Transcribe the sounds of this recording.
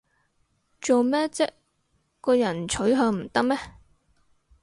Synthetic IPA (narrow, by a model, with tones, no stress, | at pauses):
t͡so˨wmɛː˥t͡sɛ˥ | kɔː˧jɐ˨˩nt͡ʃʰɵ˨˥ɥɦœː˧ŋm̩˨˩t̪ɐ˥k̚mɛː˥